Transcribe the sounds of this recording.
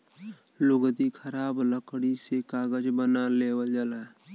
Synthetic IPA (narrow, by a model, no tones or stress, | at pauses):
lʊɡd̪ikʰəɾaːbləkɽisekaːɡəd͡ʒbənaleːwəld͡ʒəla